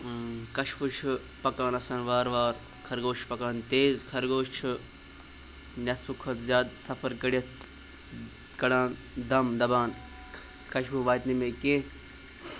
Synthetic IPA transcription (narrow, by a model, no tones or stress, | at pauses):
kɐʃʋut͡ʃʰu | pɐkãːnɐsaːnʋaːɾʋaːɾ | kʰɐɾɡoːt͡ʃʰpɐkaːnt̪eːzkʰɐɾɡoːʃt͡ʃʰɨ | nʲɐspʰukʰot̪zʲjaːd̪sɐfʰɐɾkɐɽjɐt̪̚ʰ | kɐɽaːn | d̪ɐmd̪ɐbaːn | kɐʃʋuʋaːt̪nimẽːkẽ